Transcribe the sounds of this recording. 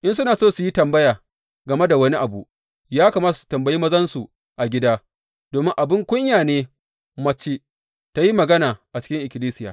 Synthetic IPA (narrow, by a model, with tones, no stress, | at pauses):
ʔɪ˦ns̬ʊ˦naː˨soː˦su˨ji˦tɐ˨mbɐ˦jaː˨ | ɡɐ˨me˦da˨wɐ˦ni˦ʔa˨bu˨ | jaː˦kaː˨maː˦ta˨su̥˨tɐ˨mbɐ˨ji˦mɐ˦zɐ˦nsu˨ | ʔa˨ɡʲɪ˦daː˦ | d̥oː˨mɪ˦ŋʔa˨bɪ˦ŋkʷʊ˦ɲjaː˨neː˦ | mɐ˦t͡ʃe˦ | ta˦ji˦mɐ˨ɡɐ˦naː˨ʔa˨t͡ʃɪ˦kʲɪ˦ŋʔɪ˨kʲɪ˨liː˦sɪ˦jaː˨